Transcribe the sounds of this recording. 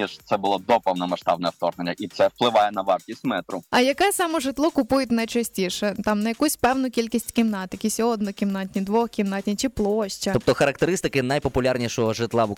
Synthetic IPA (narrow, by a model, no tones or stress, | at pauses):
iʃt̪sɛbʊlˠɔd̪ɔpɐwnɐmɐʃt̪ɑbnɛwt̪ɔrnenʲːɐʔit̪sɛwplˠɪʋɑjɛnɐʋɑrt̪ʲisʲt̪ʲmɛt̪ɾʊɐjɐkɛsɑmɔʒɪt̪lˠɔkʊpujʊt̪ʲnɐjt͡ʃɐsʲtʲiʃɛt̪ɑmnɐjɐkusʲpɛwnʊkʲilʲkʲisʲtʲkʲɪmnɑt̪ɪkʲɪsʲɔɔd̪nɔkʲimnɑtʲnʲid̪ʋɔxkʲimnat̪ʲnʲit͡ʃɪplˠɔʃt͡ʃɐɔp̚t̪ɔxɐɾɐkt̪eɾɪst̪ɪkɪnɐjpɔpʊlʲarnʲiʃɔɦɔʒɪt̪lˠɑ